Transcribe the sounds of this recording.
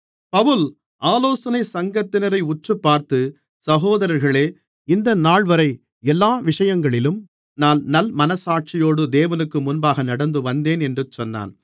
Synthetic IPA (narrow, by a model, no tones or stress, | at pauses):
pɐʋɯl | ʔaːloːsɐnɐɪsɐŋɡɐt̪ːɪnɐɾɐɪʊʈrɯpːaːɾt̪ɯ | sɐɣoːðɐɾɐɾɣɐɭeː | ɪnd̪ɐnaːɭʋɐɾɐɪ | ɛlːaːʋɪʂɐjɐŋɡɐɭɪlɯm | naːnnɐlmɐnɐsaːʈ̚t͡ʃɪjoːɽɯd̪eːʋɐnɯkːɯmʊnbaːɣɐnɐɽɐnd̪ɯʋɐnd̪eːnɛndrɯt͡ʃɔnːa̰ːn